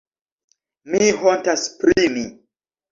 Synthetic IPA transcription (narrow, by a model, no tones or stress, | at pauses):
miɦɔntaspɾimi